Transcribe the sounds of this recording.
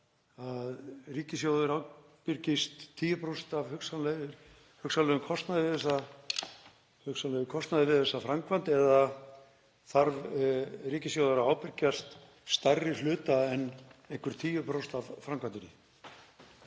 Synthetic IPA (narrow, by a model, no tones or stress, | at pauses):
aðriːcɪs̬jowðʏɾawpɪɾcɪst̪ʰːiːjʏpɾowst̪avhʏksalɛ | hʏksallɛðʏmkʰɔst̪naðɪvɪɛsa | hʏksalɛʏkʰɔst̪naðɪvɪðɛsafɾamkʰvant̪ɛða | θaɾvriːcɪsjowðʏɾaaːwpɪɾcast̪ | st̪arːɪlʏːt̪aɛnːehŋkvʏɾ̥t̪ʰiːjʏpɾowst̪avfɾamkʰvant̪ʏnɪ̰